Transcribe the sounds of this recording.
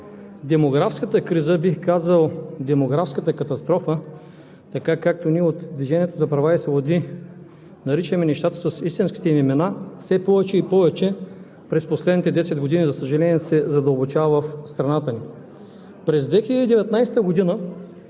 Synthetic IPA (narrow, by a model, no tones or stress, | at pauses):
d̪ɛmoɡɾafskət̪əkɾizəbixkazəlˠd̪ɛmoɡɾafskət̪əkɐt̪ɐst̪ɾɔfə | t̪ɐkakak̚t̪oniɛot̪d̪viʒɛniɛt̪ozɐpɾɐvaɛsɛvod̪i | nɐɾit͡ʃɛmɛnɛʃt̪at̪ə̥sɐsist̪inski̥t̪ɛmimɛnafsɛpɔvɛt͡ʃɛipɔvɛt͡ʃɛ | pɾɛsposlɛd̪nit̪ɛd̪ɛsɛd̪̚ɡod̪inizɐsəʒɐlɛnʲiɛsɛzɐd̪əlˠbot͡ʃavɐvəfst̪ɾɐnat̪əni | pɾɛzd̪vɛxilʲəd̪did̪ɛvɛt̪najst̪əɡod̪inə